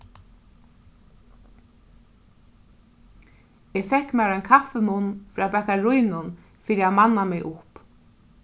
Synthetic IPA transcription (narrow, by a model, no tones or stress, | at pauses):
ɛfɛhkːmɛːɾajnkʰafɛmʊnːfɾaːpɛhkaɾujnʊn | fɪːɾɪaðmanːamɪɣʔʊhp